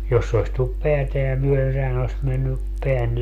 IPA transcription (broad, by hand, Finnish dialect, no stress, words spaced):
jos se oĭs tulːup peæteæ myøen sehæn oĭs menːy peæn